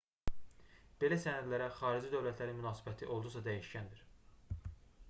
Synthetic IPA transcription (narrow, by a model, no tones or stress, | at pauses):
b̥e̞læsænæd̪læɾæχɑːɾid͡ʒid̪øvlæt̪ʰlæɾinmynɑːsibæt̪ʰiʔo̞lˠd̪usɑd̪æjiʃcænd̪iɾ̥